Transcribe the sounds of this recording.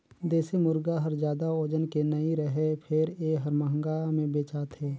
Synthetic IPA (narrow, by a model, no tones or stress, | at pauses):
d̪eːsemʊɾɡaɦəɾd͡ʒjaːd̪aoːd͡ʒənkenəiɾəɦepʰɪɾeːɦəɾməɦəŋɡamẽbeːt͡ʃaːt̪ɦɛː